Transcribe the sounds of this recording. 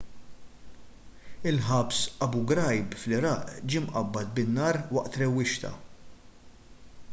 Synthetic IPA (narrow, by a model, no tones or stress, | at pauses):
ɪlħɐpsʔɐbuɡɾɐjbflɪɾɐːʔd͡ʒiːmʔɐbːɐt̪̚bɪnːɐːɾwɐʔt̪ɾɛwːɪʃt̪ɐ̰